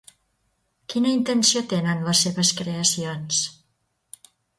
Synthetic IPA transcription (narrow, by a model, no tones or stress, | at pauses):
kinəint̪ənsiot̪enənləsːeβəskɾeəsions